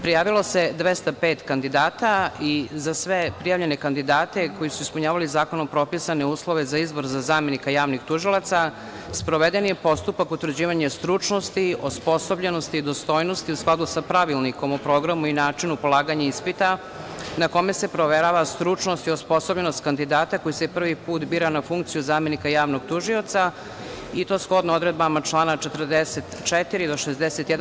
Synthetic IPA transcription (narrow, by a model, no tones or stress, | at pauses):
pɾijaːʋilˠo̞se̞d̪ʋest̪apeːt̪kand̪id̪aːt̪aizasʋe̞pɾijaːvʎe̞nekand̪id̪aːt̪e̞ko̞jisuispuɲaːʋalizaːko̞nompɾo̞pisane̞uːslˠo̞ʋe̞zaizbo̞ɾzazaːmenikajaːʋnixt̪uʒilˠat̪sa | spɾo̞ʋed̪enjepo̞st̪upakut̪ʋɾ̩d͡ʑiːʋaɲest̪ɾut͡ʂnost̪iospo̞sobʎenost̪iːd̪ost̪o̞ːjnost̪iusklˠad̪usapɾaʋilˠniko̞mopɾo̞ːɡɾamuinaːt͡ʂinupolˠaːɡaɲaispit̪a | nako̞mese̞pɾoʋeɾaʋast̪ɾut͡ʂnost̪iospo̞sobʎenost̪kand̪id̪aːt̪ako̞jisepr̩ʋipuːt̪biːɾanafuŋk̚t̪sijuzaːme̞nikajaːʋnoɡt̪uʒio̞t̪sa | it̪o̞ːsxo̞d̪nood̪ɾed̪̚bamat͡ʃlˠaːnat͡ʃet̪r̩d̪eset̪t͡ʃɛt̪iɾid̪oʃezd̪eset̪jɛd̪